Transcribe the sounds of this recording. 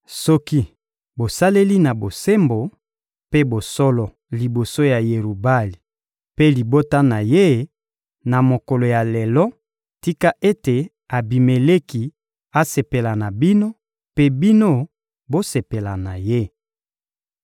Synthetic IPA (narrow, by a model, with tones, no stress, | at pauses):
sɔ˦ki˦ | bo˨sa˦le˦li˦na˨bo˨se˦mbo˨ | pe˦bo˨sɔ˦lɔ˨ | li˨bo˨so˦ja˨je˨ʁu˨ba˦li˨ | pe˦li˨bo˦ta˦na˨je˦ | na˨mo˨kɔ˨lo˨ja˨le˨lɔ˦ | ti˦ka˦ʔe˦te˨ | a˨bi˨me˨le˦ki˨ | a˦se˨pe˨la˨na˨bi˦no˦ | pe˦bi˦no˦ | bo˦se˨pe˨la˨na˨je˦